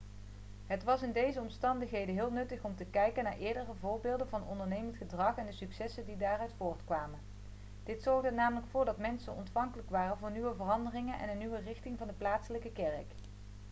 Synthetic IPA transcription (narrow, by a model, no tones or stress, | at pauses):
ɦətʋɑsɪndejzəɔmstɑndəxɦejdənɦɪːlˠnɵtəχɔmtəkɛjkənaːɹʔɪːɹdərəvʊːɹbɪːlˠdənvɑnəɔndəɹnejməntχədrɑχɛndəsyksɛsəndidaːrœɥtfʊːɹtkʋaːmən | d̥ɪtsɔɹɣdənaːmələkfʊːɹdɑtmɛnsə̰nʔɔ̰ntfɑŋkələkʋaːrənvʊːɹnyʋəvərɑndərɪŋənʔɛ̰nənːyʋərɪxtɪŋvɑndəplaːtsələkəkɛrək